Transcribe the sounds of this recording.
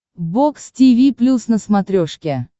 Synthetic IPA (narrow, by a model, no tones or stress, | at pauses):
bokstʲivʲiplʲusnəsmat̪ɾʲoʂkʲe